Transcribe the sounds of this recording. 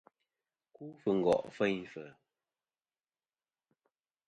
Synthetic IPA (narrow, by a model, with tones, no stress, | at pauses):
ku˦fɨ˨ŋ̩˨ɡɔ̰˨ʔfɛ˦ɲfə˨